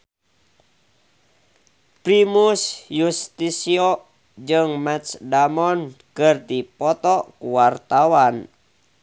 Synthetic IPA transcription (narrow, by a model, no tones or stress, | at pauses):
pɾimusjust̪isiɔ | d͡ʒɨŋmɛt̪sdamɔnkɨrt̪ipɔt̪ɔkuwart̪awan